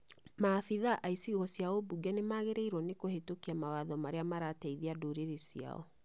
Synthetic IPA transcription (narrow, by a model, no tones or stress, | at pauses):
maːfiðaʔaisiɣɔsjaobuɡɛnemaɣeɾeiɾwɔnekohetokiamawaðɔmaɾeamaɾatɛiðiadoːɾeɾesia̰ɔ̰